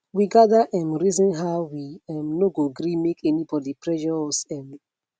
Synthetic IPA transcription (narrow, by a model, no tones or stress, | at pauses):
wiɡadaʔɛ̃mɹizɔ̃nɦaʊwiɛ̃mnoɡoɡɾimekɛnibɔdipɹɛʃɔsɛ̃m